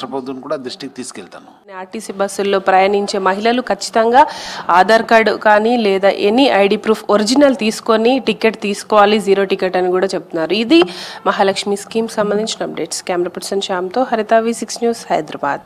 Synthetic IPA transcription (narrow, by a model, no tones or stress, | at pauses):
ɐpod̪unkuːɽaːd̪ɾuʂʈik̚t̪iːsu̥kelt̪a̰ːnuniaːʈisibɐsulːo̞ːpɾɐjɐniɲt͡ʃe̞ːmɐɦilɐlukʰɐt͡ʃːi̥t̪ɐŋɡaːaːd̪ʱaːɾkaɖkaːnilɛːd̪aːʔenːiʔɐjɖipɾuːpʰoɾid͡ʒinɐlt̪iːsu̥ko̞niʈikeʈt̪iːsu̥kɔːʋaːlid͡ʒiːɾo̞ːʈikeʈɐnːikuːɽaːt͡ʃeb̚t̪unːaːɾuid̪imɐɦaːlɐkʂmiskiːmksɐmbɐnd̪iɲt͡ʃinɐɐp̚ɖe̞ːʈskaːmɾaːpɐʈi̥sɐnʃaːmt̪o̞ːɦɐɾit̪aːʋisiksnjuːshɐjd̪ɾɐba̰ːd̪